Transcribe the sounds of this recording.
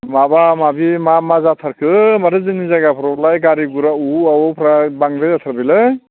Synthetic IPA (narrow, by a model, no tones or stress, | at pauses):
mabamabimamazatʰaɾkʰɯmaɾɯzɯnizaɡapʰɾɔblajɡaɾiɡuɾauawpʰɾabaŋɾɯjzatʰaɾbilɯ